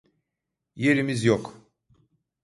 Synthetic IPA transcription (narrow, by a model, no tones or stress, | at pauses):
je̞ɾimizjok